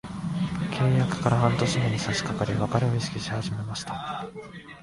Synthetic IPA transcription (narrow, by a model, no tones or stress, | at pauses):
kʰe̞ːjakɯ̟̥kaɾahãnt̪o̞ɕinoɲʲisaɕi̥kakaɾʲiβakaɾeoiɕi̥kʲiɕi̥haʑime̞maɕi̥t̪ḁ